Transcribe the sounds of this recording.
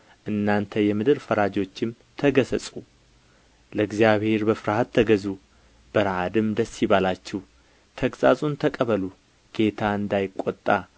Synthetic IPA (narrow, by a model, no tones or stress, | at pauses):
ʔɨnːant̪ʰəjɛmɨd̪ɨɾfəɾad͡ʒo̞t͡ʃːɪm | t̪ʰəɡəsəsʼu | ləɡzjaβhe̞ɾbəfɨɾhat̪ʰːəɡəzu | b̥əɾʕad̪ɨmd̪əsːiβalat͡ʃːɛw | t̪ʰəkʼsʼazʼunt̪ʰəkʼəβəlu | ɡ̥e̞t̪ʰaɨnd̪ajɪkʼːot̪ʼːa